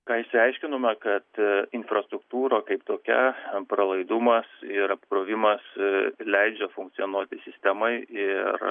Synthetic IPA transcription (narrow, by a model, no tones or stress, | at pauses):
kɑːɪʃʲsʲɪɛɪʃʲkʲɪnomʲɛkɐt̪ɪnfrɐst̪ɾʊkt̪uːɾokɐɪpt̪oːkʲɛpɾɐlˠɐɪd̪ʊmɐsɪɾɐpkɾoːʋʲɪmɐslʲɛɪd͡ʒʲɛfʊŋkt̪sʲɪjonuɔt̪ʲɪsʲɪsʲt̪ʲɛmɐɪɪr